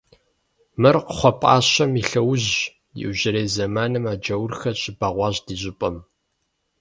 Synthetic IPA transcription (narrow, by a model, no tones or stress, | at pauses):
mɨrqəχʷɔpʼa̰ːɕɐmiɬɐwʊʑ | jɪ̰wʑɪɾeːzɐmaːnɨmaːd͡ʒɐwʊrxɐɕʼɪbaːʁʷɑːʑdiːʑʼɪpʼɐm